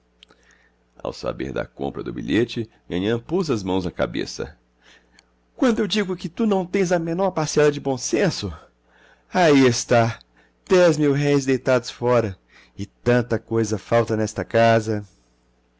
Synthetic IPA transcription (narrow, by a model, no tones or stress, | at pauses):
a̰wsa̰bḛɾd̪ɐ̰kõ̰mpɾɐd̪ʊbḭʎet͡ʃɪ | mɐ̃ɲɐ̃pozɐzmɐ̃w̃zɐka̰bḛsɐ̰ | kwɐ̃nd̪ʊewd͡ʒiɡʊkɪt̪unɐ̃w̃t̪ẽj̃zɐmẽnɔɾpaɾsɛlɐd͡ʒɪbõsẽsʊ | aiɪst̪a | d̪̥ɛzmiwɦɛjzd̪ejt̪ad̪ʊsfɔɾɐ | ɪt̪ɐ̃nt̪ɐkojzɐfawt̪ɐnɛst̪ɐkazɐ